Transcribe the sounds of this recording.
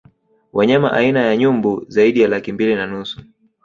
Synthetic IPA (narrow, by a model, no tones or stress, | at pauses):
wʔaɲama̰ʔainajaɲumbuzaiɗijalakimbilinanusu̥